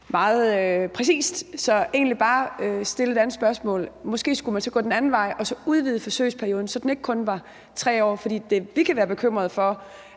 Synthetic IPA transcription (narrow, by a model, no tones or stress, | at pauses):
mɑ̈ːð̞̩ˠpʰʁɛsḭːsd̥sɒ̽e̝ːnlib̥ɑ̈ːøsd̥e̝ləe̝d̥ænð̩sb̥ɶɐsmɔ̰̽ːlmɒ̽sɡ̥e̝̰ːsɡ̥umænsɒ̽ɡ̥ɔ̽ːd̥enænn̩ʋɑ̈ɪʔɒ̽sɒ̽uð̞ˠʋið̞̩ˠəfɒ̽sø̰ɪspʰæɐio̝ːð̞ˠn̩sɒ̽d̥ene̝ɡ̥ə̥kʰɔ̽nʋɑ̈ | t͡sʰʁɛ̰ːɒ̰ːfɒd̥ḭːd̥e̝ʋikʰæʋæːɐb̥e̝kʰøm̰ʁɐðˠfɒ̽